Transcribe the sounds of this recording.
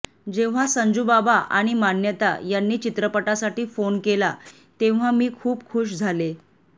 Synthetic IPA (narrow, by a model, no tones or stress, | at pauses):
d͡ʑeʋ̤asəɲd͡ʑubabaʔa̰ɽ̃imanjət̪a̰janːiːt͡ɕit̪ɾəpəʈasaʈiːfonkela | t̪eʋ̤amiːkʰuːpkʰuʂd͡zʱale